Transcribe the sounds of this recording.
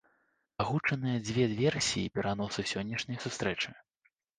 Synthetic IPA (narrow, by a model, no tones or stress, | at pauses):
aɣut͡ʂɐnɨjɐd͡zʲvʲɛvʲɛrsʲijipʲɛɾan̪ɔsɨsʲɔnʲːɐʂnʲɐjsust̪ɾɛt͡ʂɨ